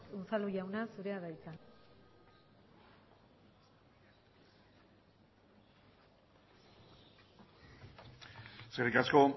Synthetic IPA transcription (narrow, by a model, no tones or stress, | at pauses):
unsaluʝawnasuɾe̞aðajt͡san | seɾikasko̞